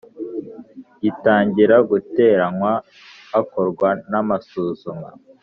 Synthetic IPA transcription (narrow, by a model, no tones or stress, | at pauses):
jitaːɲɟiɾaɡute̞ːɾaŋwaː | koɾɡwanamasuːzuma